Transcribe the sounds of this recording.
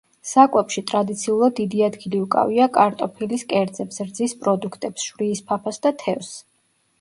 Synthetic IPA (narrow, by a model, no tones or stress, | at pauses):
sakʼwɛpʃit̪ʼɾad̪it̪sʰiulˠad̪ːid̪iad̪ɡiliukʼa̰viakʼaɾt̪ʼɔpʰiliskʼɛɾd̪zɛpsɾd̪zispʼɾɔd̪ukʰt̪ʼɛpsʃvɾiːspʰapʰasd̪at̪ʰɛfs